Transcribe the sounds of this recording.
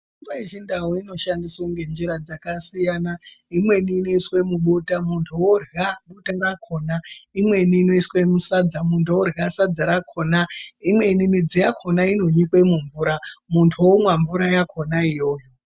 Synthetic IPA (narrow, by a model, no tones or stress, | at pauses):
imbeiʒindawoino̞ʃandiswoŋɡe̞nd͡ʒiɾad͡zakasijana | imwe̞niːno̞iswe̞muɓutamuntʰuworɣaɓutaŋɡakʰo̞ːnaimwe̞niːno̞iswe̞musad͡zamuntʰuworɣasad͡zaɾakʰonaimwe̞nimid͡zijakʰo̞naino̞ɲikwe̞muɱvuɾamuntʰuwomwaɱvuɾajakʰo̞naijo̞ːjo